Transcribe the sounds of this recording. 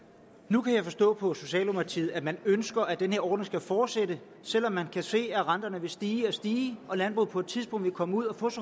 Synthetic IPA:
nukʰæjɑ̈ɪfɒ̽sd̥ɔ̰̽ːpʰɒ̽so̝ɕɛ̰ːlomɑt͡sʰiːð̩ˠæmænønsɡ̥ɐʔæd̥enhe̝ɐɒːd̥neŋ̩sɡ̥æfɒːd̥sed̥ə | sel̰ɒ̽mːænkʰæse̝̰ːæʁɑnd̥ɐnəʋe̝sd̥iːɒsd̥iːɒ̽lænb̥ʁṵð̩ˠpʰɒ̽e̝d̥̚t͡sʰiðˠsb̥ɔ̽ŋ̰dʋe̝kʰɒ̽məuð̞̰ˠɒfɔ̽ːs

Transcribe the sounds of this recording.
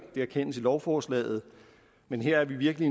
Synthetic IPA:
d̥e̝æɐkʰen̰əsilɒʊfɒːslɛ̰ːð̞̩ˠ | menɦeɐ̰æɐʋiʋiɐɡ̥əli

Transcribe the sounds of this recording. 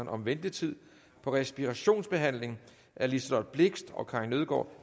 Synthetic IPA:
nɒ̽mʋend̥it͡sʰið̞̰ˠ | pʰɒ̽ʁɛsb̥iʁæɕo̝̰ːnsb̥e̝ɦæn̰leŋ | ʔæɐlisd̥ɒnb̥le̝ɡ̥sd̥ɒ̽kʰɑ̈nøð̞ˠɡ̥ɒ̰ː

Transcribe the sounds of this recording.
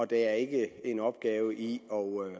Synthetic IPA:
ɒ̽d̥eæɐe̝ɡ̥əe̝nɒ̽b̥̚ɡ̥ɛːʊəʔiɒ

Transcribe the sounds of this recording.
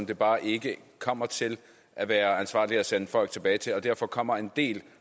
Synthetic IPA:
nd̥e̝b̥ɑ̈ːʔe̝ɡ̥əkʰɒ̽m̰ɐt͡sʰe̝l | ʔæʋæːɐænsʋɑ̰̈ːliæsenəfɒ̽l̰ɡ̥̚t͡sʰe̝b̥ɛːɪt͡sʰe̝lɒ̽d̥æɐ̰fɒ̽kʰɒ̽m̰ɐe̝nd̥e̝̰ːl

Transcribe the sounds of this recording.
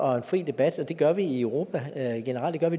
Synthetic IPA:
ʔɒ̽enfʁḭːd̥e̝b̥æd̥ɒ̽d̥e̝ɡ̥ɶɐʋiiøʊʁo̝ːpʰæɡ̥e̝nəʁɑl̰d̥e̝ɡɶɐʋi

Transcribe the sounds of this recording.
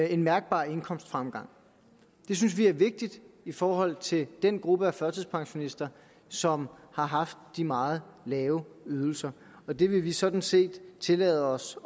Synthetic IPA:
e̝nmæɐɡ̥̚b̥ɑ̰̈ːe̝nkʰɒ̽m̰sd̥fʁamɡ̥ɑ̈ŋ̰ | d̥e̝s̬ynsʋiæɐʋe̝ɡ̥̚d̥id̥ifɒːɦɒ̽l̰t͡sʰe̝d̥enɡ̥ʁub̥əæfɶɐt͡sʰɨðˠspʰɑ̈ŋɕo̝nisd̥ɐ | sɒ̽mhɑ̈ɦɑ̈fd̥ːimɑ̈ːð̩ˠlɛːʊyð̞ˠl̩sɐ | ɒ̽d̥e̝ʋe̝ʋisɒ̽d̥n̩se̝̰ːd̥t͡sʰe̝lɛːð̞̩ˠɒ̽s

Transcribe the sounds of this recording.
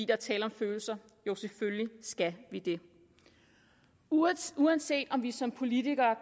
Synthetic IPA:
ḭːd̥ɑɐt͡sʰɛ̰ːləɒ̽mføːl̩sɐ | jo̝ʊseføljisɡ̥æʋid̥e̝ | uænse̝̰ːd̥ɒ̽mʋisɒ̽mpʰo̝lit͡siɡ̥ɐːk

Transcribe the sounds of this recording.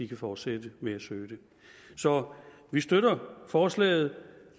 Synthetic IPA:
ikʰæfɒːd̥sed̥əmeæsøːd̥e̝ | sɒ̽ | ʋisd̥øɾɐfɒːslɛ̰ːɪð̞̩ˠ

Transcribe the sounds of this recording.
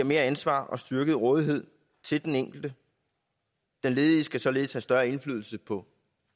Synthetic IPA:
ɐme̝ːɐænsʋɑ̰̈ːɒ̽sd̥yɐɡ̥əð̞̩ˠʁɔ̽ːðˠiɦe̝ð̞̰ˠ | t͡sʰe̝ld̥eneŋ̰ɡ̥l̩d̥ə | d̥enle̝ːðˠisɡ̥æsɒ̽le̝ːð̩ˠshæsd̥ɶɐe̝nflyːð̞ˠl̩səpʰɒ̽

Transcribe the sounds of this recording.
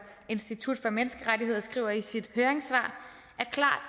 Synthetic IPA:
e̝nsd̥it͡sʰud̥fɒ̽menəsɡ̥əʁadiɦe̝ð̞̰ˠɐsɡ̥ʁḭːʊɐisid̥høːɐeŋsʋɑ̰̈ː | æɐkʰlɑ̰̈ːd̥

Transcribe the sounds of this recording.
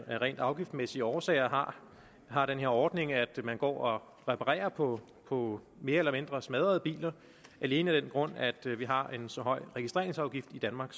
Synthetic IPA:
æʁɛ̰ːnd̥ɑ̈ʊɡ̥ifd̥mesiəɒːsɛ̰ːɪɐɦɑ | ɦɑ̈d̥enɦe̝ɐɒːd̥ne̝ŋæd̥mænɡ̥ɒ̰ːɒ | ʁɛpʰɑ̈ʁɛ̰ːɐpʰɒ̽ | pʰɒ̽ | me̝ːɐelɐme̝nd̥ʁɐsmɛð̞ˠɐð̩ˠəb̥ḭːlɐ | ʔæle̝ːnəæd̥enɡ̥ʁɔ̽n̰æd̥ʋiɦɑ̈e̝nsɒ̽ɦɒ̽ɪ̰ʁɛɡ̥isd̥ʁe̝ɐeŋsɑ̈ʊɡ̥ifd̥id̥ænmɑ̈ːɡ̥

